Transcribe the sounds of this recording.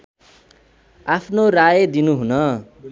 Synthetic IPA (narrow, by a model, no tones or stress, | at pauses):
apʰnorajʌd̪inuɦunʌ